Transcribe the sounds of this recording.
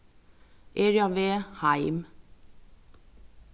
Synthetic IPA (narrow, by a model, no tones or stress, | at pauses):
ʔeːɹjɑʋeːhæɪm